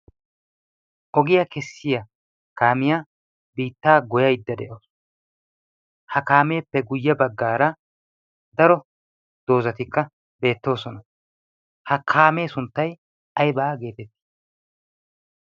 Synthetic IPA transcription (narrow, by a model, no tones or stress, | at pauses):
ʔɔɡɪjakɛsːɪjɐ | kaːmɪja | biːt̪ːaːɡɔjɐjd̪ːɐd̪ɛʔoːs | hɐkaːme̞ːpːɛɡʊjːɐbɐɡːaːɾɐ | d̪ɐɾɔ | d̪̥o̞ːzɐt̪ɪkːɐ | be̞ːt̪ːo̞ːsɔnɐ | hɐkʰaːme̞ːsʊnt̪ːɐj | ɐjbaːɡe̞ːt̪ɛt̪ːi̥